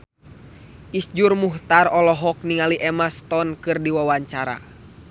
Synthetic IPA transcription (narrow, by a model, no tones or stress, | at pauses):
ʔisd͡ʒurmuht̪arɔlɔɦɔk̚niŋaliʔɛmast̪ɔnkɨrdiwawaɲt͡ʃaɾa̰